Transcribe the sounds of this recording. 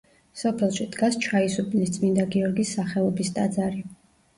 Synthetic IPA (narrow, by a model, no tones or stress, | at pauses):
sɔpʰɛlˠʃid̪̥ɡast͡ʃʰaisupʼnist̪sʼmind̪aɡiɔɾɡisːaχɛlˠɔbist̪ʼad̪zaɾi